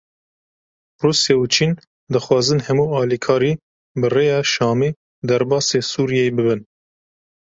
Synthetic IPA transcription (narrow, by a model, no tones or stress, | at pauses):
ruːsjɛut͡ʃʰiːn | d̪ɨxwɑːzɨnhɛmuːɑːlikʰɑːɾiː | bɨreːjɑːʃɑːmiː | d̪ɛɾbɑːseːsuːɾijeebɨbɨn